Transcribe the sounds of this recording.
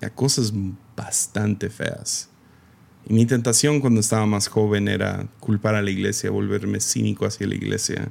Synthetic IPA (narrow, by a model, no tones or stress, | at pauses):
la̰ko̞sazb̥ast̪ant̪e̞fe̞̰a̰s | imit̪̬e̞nt̪asjo̞ŋkwand̪oest̪aβamasxo̞βe̞ne̞̰ɾa̰kulpaɾalaiɣle̞sja̰βo̞lβe̞ɾme̞sḭnikoasjala̰ḭɣlʔe̞̰sja̰